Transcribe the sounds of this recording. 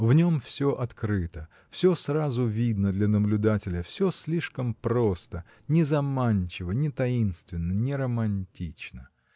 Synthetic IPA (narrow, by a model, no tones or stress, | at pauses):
vnʲo̞mfsʲo̞ʔɐt̪kɾɨt̪ə | fsʲosrazʊvʲid̪nəd̪lʲɐnəblʲʊd̪atʲɪlʲəfsʲosʲlʲiʂkəmpɾo̞st̪ə | nʲɪzɐmanʲt͡ɕɪvənʲɪt̪ɐinst̪vʲɪnːənʲɪɾəmɐnʲtʲit͡ɕnə